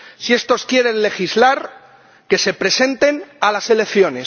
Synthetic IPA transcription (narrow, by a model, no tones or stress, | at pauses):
sie̞st̪o̞skje̞ɾe̞nle̞xizlaɾ | ke̞se̞pɾe̞sẽ̞nt̪e̞nalase̞le̞kθjo̞ne̞s